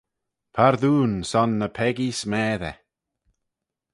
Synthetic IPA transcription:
pʰaɾðuːnsɔnːəpʰɛɡismɛːðɛ̰

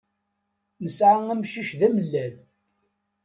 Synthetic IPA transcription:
nəsʕaŋæmʃiʃðæməlːæn

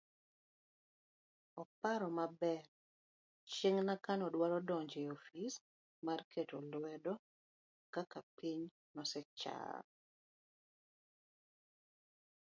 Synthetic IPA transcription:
ɔpaɾɔmabɛr | t͡ʃeŋnakanɔdwaɾɔdɔɲd͡ʒeofis | markʰetolwɛdɔ | kakapiɲ | nɔsɛt͡ʃa̰

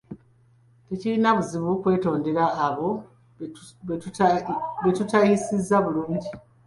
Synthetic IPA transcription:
tecilinaβuziβukwe̞ːto̞ːnde̞ɾaːβo̞ | e | βetutajisizːaβuluːɲɟi

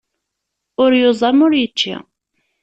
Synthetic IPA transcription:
ʊɾjozˤɑmʊɾjət͡ʃːḭ

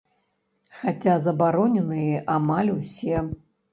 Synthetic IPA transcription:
xat͡sʲazɐbaɾɔnʲɛnɨjɛʔamalʲusʲɛ

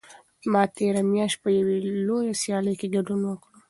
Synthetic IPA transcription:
mɑt̪eɾamjɑʃt̪̚pəjawelojasjɑləjkeɡaɖunwəkɽu

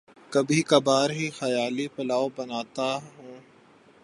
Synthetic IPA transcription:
kɐbʱikɐbaːɾɦixɐjaːlipɐlaːobɐnaːt̪aɦũː

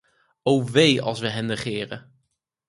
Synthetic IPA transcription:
owʋejɑ̰lˠsʋəɦɛnːəχɪːrə̰

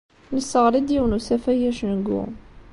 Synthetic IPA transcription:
nəsːəʁɾid̪jiwnusæfæjæʃnəɡːṵ

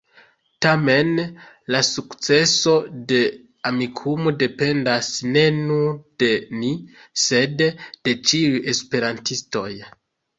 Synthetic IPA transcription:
tame̞n | lasukt͡se̞so̞de̞ | amikʰumo̞de̞pe̞ndasne̞nuɾde̞nise̞dd̥e̞t͡ʃiuje̞spe̞ɾantisto̞̰j

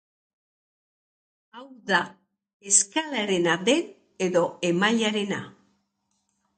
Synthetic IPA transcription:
awða | e̞skalaɾe̞naðe̞n | e̞ðo̞e̞maʎaɾe̞na

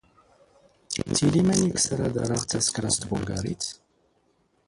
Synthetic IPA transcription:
t͡silimæniksəɾad̪a̰ɾaʁt͡sːæskɾast̪bʊlɡa̰ɾḭt͡s

